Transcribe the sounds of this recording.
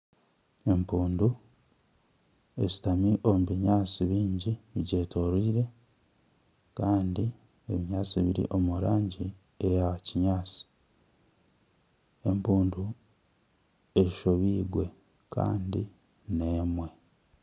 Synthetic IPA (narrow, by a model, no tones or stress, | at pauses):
e̞mpuːndu | e̞zi̥tamiʔo̞muβiɲaːt͡siβiːɲɟiβiɟeːtʰo̞ɾiːɾe̞ | kaːndi | e̞βiɲaːt͡siβiɾḭʔo̞muɾaːɲɟi | ejaciɲaːt͡si̥ | empuːndu | eiʃo̞βiːɡwe̞ | ka̰ːndi | ne̞ːmwe̞